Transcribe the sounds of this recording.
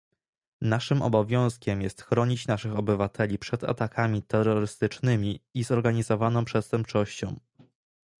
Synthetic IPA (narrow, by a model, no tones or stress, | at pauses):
naʂɘmʔɔ̰bɔvʲjɔ̃w̃skʲɛmjɛst̪xɾɔɲit͡ɕnaʂɘxɔbɘvat̪ʰɛlʲipʂɛd̪a̰t̪akʰamʲit̪ɛrːɔɾɘst̪ɘt͡ʂnɘmʲiizɔɾɡaɲizɔvanɔ̃w̃pʂɛst̪ɛmp̚t͡ʂɔɕt͡ɕɔ̰̃w̃